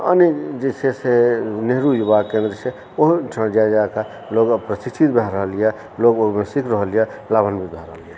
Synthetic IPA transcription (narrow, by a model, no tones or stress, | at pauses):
ə̰ned͡ʒeseseneɦɾujubakẽnd̪ɾəse | oɦʈʰə̃ɽd͡ʒad͡ʒaka | loɡpɾəsit͡ʃʰit̪̚bʱaɦɾəɦəlijɛ | loɡomesikʰɾəɦəljalabənbʱibʱaɾəɦəlije